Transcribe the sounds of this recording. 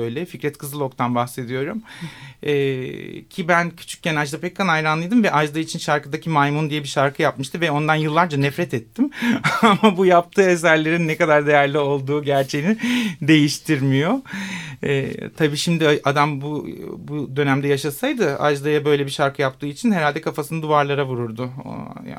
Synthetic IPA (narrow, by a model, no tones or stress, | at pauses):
øjlʲɛficɾɛt̪kʰɯzɯlˠo̞kt̪ʰanbaxse̞d̪ijo̞ɾum | ɛːcʰibæncʰy̥t͡ʃʰy̥c̚cɛnad͡ʒd̪apʰɛc̚kʰanajɾanlˠɯjd̪ɯmvɛʔad͡ʒd̪ait͡ʃʰinʃaɾkɯd̪acʰimajmund̪ijɛbiʃaɾkʰɯjapmɯʃt̪ʰɯvɛo̞nd̪anjɯlˠːaɾd͡ʒanɛfɾɛt̪ɛt̪ʰːimamabujap̚t̪ʰɯːes̬æɾlʲe̞ɾinːɛkad̪aɾd̪e̞jæɾlʲio̞lˠd̪uːɟæɾt͡ʃʰejinid̪e̞jiʃt̪ʰiɾmijo̞ | ɛ̰ːt̪ʰabiːʃimd̪ɪʔad̪ambubud̪ø̞næmd̪ɛjaʃasajd̪ɯa̰d͡ʒd̪ˠajabø̞jlʲɛbiʃaɾkʰɯjap̚t̪ʰɯːit͡ʃʰinhe̞ɾalʲd̪ɛkʰafasɯnɯd̪uvaɾlˠaɾavuɾuɾd̪ʊ̰